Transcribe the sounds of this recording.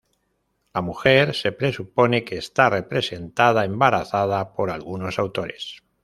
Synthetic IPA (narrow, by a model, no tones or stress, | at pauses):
lamuxe̞ɾse̞pɾe̞supo̞ne̞keːst̪are̞pɾe̞se̞nt̪að̞aembaɾaθað̞apo̞ɾalɣuno̞sawt̪o̞ɾe̞̰s